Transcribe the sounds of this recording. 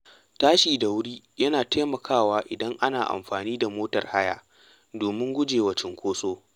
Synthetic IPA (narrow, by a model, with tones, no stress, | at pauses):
taː˦ʃiː˨da˨wʊ˦ɽiː˦ | jɐ˦naː˨tʰeː˦mɐ˨kʰaː˦˨waː˦ʔɪ˨dɐ˦ŋʔa˦naː˨ʔa̰˨mɸaː˨niː˦da˨moː˦tɐ̰˨rha˦ja̰ː˨ | doː˨mɪ˦ŋɡʷʊ˦d͡ʒeː˨wɐ˦t͡ʃɪ˨ŋkʷoː˦sʼoː˦